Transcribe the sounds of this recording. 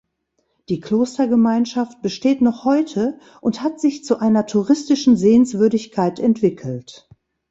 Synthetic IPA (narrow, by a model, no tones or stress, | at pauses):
d̥iːkloːstɐɡəmaɪnʃaft̚b̥əʃteːtnɔχhɔʏtʰə | ʔʊnthatz̥ɪçt͡suʔaɪnɐtʰuʁɪstɪʃn̩zeːənsv̥ʏɐdɪçkʰaɪtɛntv̥ɪkʰl̩t